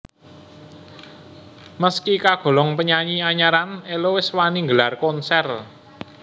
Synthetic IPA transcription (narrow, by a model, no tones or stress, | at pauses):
məskikaɡ̥ɔ̤lɔŋpəɲaɲiaɲaɾanelowɪswaniŋɡəlarkɔnsɛr